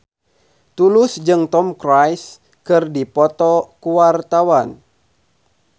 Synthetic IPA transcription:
t̪ulʊsd͡ʒɨŋt̪ɔmkɾajs | kɨrdipɔt̪ɔkuwart̪awan

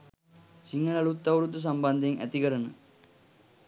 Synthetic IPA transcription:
siŋːɐlɐɭut̪ːɐʋuɾut̪ːus̬ɐmbɐnd̪ʱeŋʔæ̰t̪iɡɐɾɐnɐ

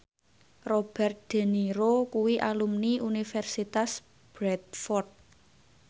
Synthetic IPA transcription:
rob̥ɛrt̪̚d̪̥e̤niɾokuwiʔalumniʔunifɛrsit̪as | b̥ɾɛt̪̚fɔrt̪̚

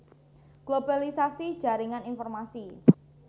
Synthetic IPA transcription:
ɡ̥lobalisasi̥ʒ̥a̤ɾiŋaninfɔrmasi

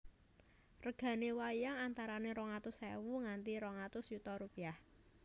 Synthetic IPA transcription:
rəɡ̥ä̤newajaŋant̪aɾaneɾɔŋat̪ʊsɛ̰wuŋant̪iɾɔŋat̪ʊsjut̪ɔɾupiah

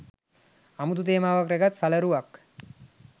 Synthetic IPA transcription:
amut̪ut̪eːmaːʋakɾeɡat̪saləɾuʋak

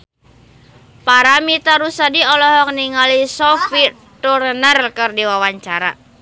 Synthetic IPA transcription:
paɾamit̪aɾusadiɔlɔɦɔk̚niŋalisɔfi | t̪uɾənərkɨrdiwawaɲt͡ʃaɾa̰

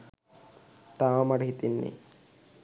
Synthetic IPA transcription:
t̪aːʋɐmɐɽɦit̪inːḭ

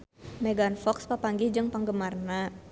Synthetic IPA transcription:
mɛɡanfɔkspapaŋɡid͡ʒɨŋpaŋɡəmarna

